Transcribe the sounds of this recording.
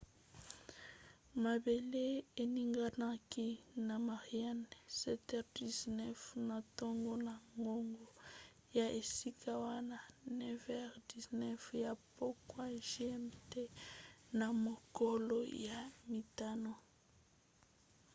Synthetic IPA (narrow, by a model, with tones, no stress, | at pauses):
ma˨be˨le˦e˨ni˦ŋɡa˦na˦ki˦na˨ma˨ʁi˨a˦nsɛ˦tɛ˦˨ʁdi˨znɛ˦fna˨to˦ŋɡo˦na˨ŋɡo˦ŋɡo˨ | ja˨ʔe˨si˦kʰa˦wa˦na˨nɛ˦vɛ˦ʁdi˨znɛ˦fja˨po˦kwa˦ʒe˦ɛ˦mte˦na˨mo˨ko˦lo˦ja˨mi˨ta˦no˨